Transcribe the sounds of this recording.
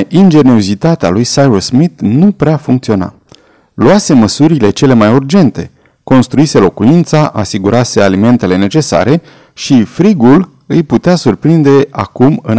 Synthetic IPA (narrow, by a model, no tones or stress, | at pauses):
ʔind͡ʒe̞nio̞zit̪at̪ea̰lujsajɾosmit̪nupɾeafuŋkt̪sio̞na̰ | luase̞məsuɾile̞t͡ʃe̞le̞majurd͡ʒe̞nt̪e̞ | ko̞nst̪ɾuise̞lo̞kuint̪saʔasiɡuɾʔase̞alime̞nt̪e̞le̞ne̞t͡ʃe̞sa̰ɾe̞ | ʃifɾiɡul | ɨjput̪easurpɾind̪e̞a̰kumɨn